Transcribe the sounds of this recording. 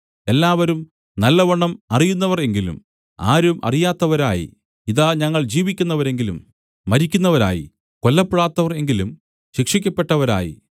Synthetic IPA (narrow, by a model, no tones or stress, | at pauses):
e̞lːaːʋɐɾum | nɐlːɐʋɐɳːɐmɐrijunːɐʋɐre̞ŋɡilṵm | a̰ːɾumʔɐ̰rijaːt̪ːɐʋɐɾaːjḭ | iðaɲɐŋːɐɭd͡ʑiːʋikʲːunːɐʋɐɾe̞ŋɡilumː | ɐɾikʲːunːɐʋɐɾa̰ːjḭ | ko̞lːɐpːeɽaːt̪ːɐʋɐre̞ŋɡilum | ɕikʂikʲːɐpːe̞ʈːɐʋɐɾa̰ːjḭ